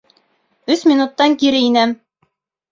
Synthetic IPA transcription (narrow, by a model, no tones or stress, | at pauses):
ɵsmʲinut̪ːɑŋkiɾɘinæm